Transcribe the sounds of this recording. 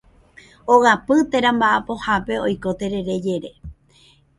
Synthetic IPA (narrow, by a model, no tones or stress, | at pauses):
oɣapɨt̪eɾãmbaʔapo̞hape̞ojko̞t̪e̞ɾe̞ɾe̞d͡ʒe̞ɾe̞